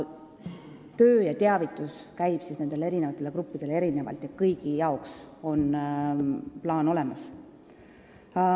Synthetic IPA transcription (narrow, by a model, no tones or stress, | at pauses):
t̪øːjɑt̪eɑvit̪ːˑuskæjb̥sisne̞nd̪elee̞ɾinevɑt̪ːˑele̞kɾupːid̪̥e̞lee̞ɾine̞vɑ̰lt̪jɑkɤjɡ̥ijɑokso̞n | plɑːno̞le̞mɑs